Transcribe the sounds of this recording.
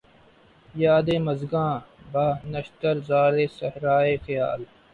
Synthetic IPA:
jaːd̪eːmɐzɡãːbaːnɐʃt̪əɾzaːɾeːsɐhɾaːeːxɪja̰ːl

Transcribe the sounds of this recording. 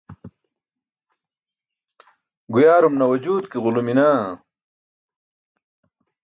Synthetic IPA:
ɡujaːɾumnɐwɐd͡ʑuːd̪kiʁʊluminaː

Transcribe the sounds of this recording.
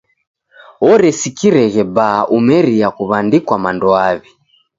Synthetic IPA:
ɔɾɛsikiɾɛɣɛbaʔumɛɾiakuβandikwamandɔaβi

